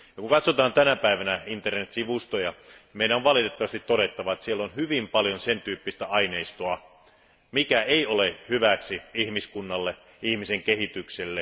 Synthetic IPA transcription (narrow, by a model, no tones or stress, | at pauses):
jɑkuŋkɑt̪sot̪ɑːnt̪ænæpæiʋænæint̪ernet̪siʋust̪ojɑmeˑiɾæoʋʋɑlit̪et̪ːɑʋɑst̪it̪tːoɾet̪ːɑʋɑet̪sielːonhyʋimpɑljonsent̪yːpːist̪æʔɑineist̪oɑ | mikæeiolehyʋæksiihmiskunːɑlːe | ihmiseŋkehit̪ykselːe